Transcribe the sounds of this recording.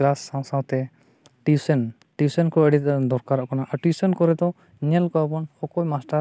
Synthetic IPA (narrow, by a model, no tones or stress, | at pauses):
lasːãw̃sãw̃t̪ɛ | ʈisɛn | ʈisɛnkɔəɽit̪̚d̪ɔɾkaɾɔʔkanaʔaɾʈisɛnkɔɾɛd̪ɔ | ɲɛlkɔapɔnhɔkɔjmasʈaɾ